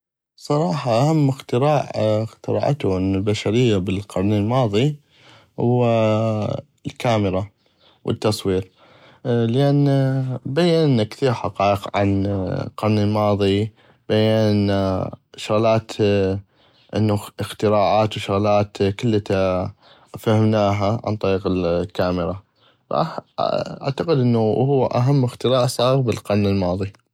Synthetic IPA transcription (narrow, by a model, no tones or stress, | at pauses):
sˤɑɾˤɑːħɑʔahamːɪxt̪ɪɾaːʕxt̪ɪɾɑ̰ːʕt̪uʔɪnːulbaʃaɾɪjːabɪlqɑɾˤnɪlmɑːðˤi | hʊwːa | lkaːmɪɾa | wʔə̰t̪ːɑsˤwiːɾ | lɪʔanbajːannːakθiːɾħɑqɑːʔəqʕa̰nqɑɾˤnɪlmɑːðˤi | b̥ajːanʔɪnːaʃʊɣlaːt̪ | ʔɪnːuəxt̪ɪɾaːʕaːt̪wʃʊɣlaːt̪kəlːat̪a | fahɪmnaːɦaʕa̰nt̪ˤɑɾiːqɪlkaːmɪɾa | fʔa̰ | a̰ʕt̪aqəd̪ʔənːuhʊwːʔa̰ɦamːɪxt̪ɪɾaːʔsˤɑːɣbɪlqanːɪlmɑːðˤi